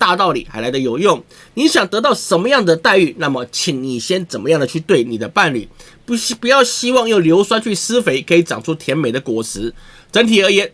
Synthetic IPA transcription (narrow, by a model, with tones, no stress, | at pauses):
t̪a˥˧t̪ɑ˥˩ʊlḭ˨˩xa˧˥ɪla˧˥ɪd̪ə˧jo˨˩ʊjʊ˥˩ŋ | ni˧˥ɕjɑ˨˩ŋt̪ɤ˧˥t̪ɑ˥˩ʊʂə˧˥nmə˧jɑ˥˩ŋd̪ə˩t̪a˥˧ɪy˥˩na˥˩mə˩t͡ɕʰi˨˩˦ŋni˨˩ɕjɛ˥nt͡sə˨˩nmə˦jɑ˥˩ŋd̪ə˩t͡ɕʰy˥˧t̪we˥˩ɪni˨˩d̪ə˦pa˥˧nly̰˨˩ | pu˧˥jɑ˥˩ʊɕi˥wɑ˥˧ŋjo˥˩ʊljo˧˥ʊswa˥nt͡ɕʰy˥˩sɹ̩˥fe˧˥ɪkʰɤ˧˥i˧˥ʈ͡ʂɑ˨˩ŋʈ͡ʂʰu˥t̪ʰjɛ˧˥nme˨˩ɪd̪ə˦kwɔ˨˩sɹ̩˧˥ | ʈ͡ʂə˧˥ŋt̪ʰi˨˩ə˧˥jɛ˧˥˦n